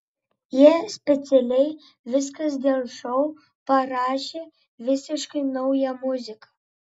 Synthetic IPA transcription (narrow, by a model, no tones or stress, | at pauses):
jiɛsʲpʲɛt̪sʲɛlʲɛɪ | ʋʲɪs̬kɐs̬d̪ʲeːlˠʃɔʊ | pɐɾɑːʃʲeː | ʋʲɪsʲɪʃkɐɪnɐʊjɛmʊzʲɪkɐ